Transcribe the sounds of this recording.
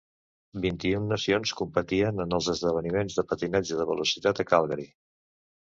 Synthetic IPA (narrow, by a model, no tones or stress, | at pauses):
bint̪iunːəsionskumpət̪iənənəlˠzəzðəβ̞ənimenzðəpət̪inɛd͡ʒəðəβ̞əlusit̪at̪əkalˠɣəɾi